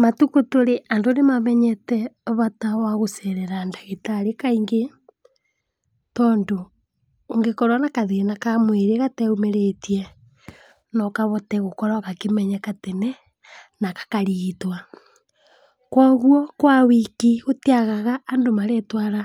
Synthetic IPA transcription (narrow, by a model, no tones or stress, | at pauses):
matukotoɾeʔandonemamɛɲɛtɛβatawaɣosɛɾɛɾandaɣetaɾekaiŋɡe | tɔːndoː | ŋɡekɔɾwanakaðeenakamweɾeɣatɛumeɾetiɛ | nɔkaβɔtɛɣokɔɾakakemɛɲɛkatenɛ | nakḁkaɾiɣitwa | kwɔɣwɔkwawikiɣotiaɣaɣaːndomaɾɛtwaɾa